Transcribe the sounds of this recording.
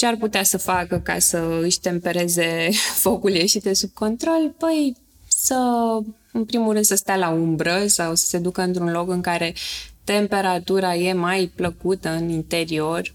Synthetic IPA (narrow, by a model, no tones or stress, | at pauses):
t͡ʃearput̪easəfakəka̰səɨʃʲt̪e̞mpe̞ɾe̞ze̞fo̞kuljeʃid̪e̞sub̚ko̞nt̪ɾo̞lpəj | sə | ɨnpɾimulɾɨnd̪səst̪ealaumbɾəsawsə̥se̞d̪ukəɨnt̪ɾunlo̞kɨŋkaɾe̞t̪e̞mpe̞ɾat̪uɾaje̞majpləkut̪əɨnint̪e̞ɾio̞r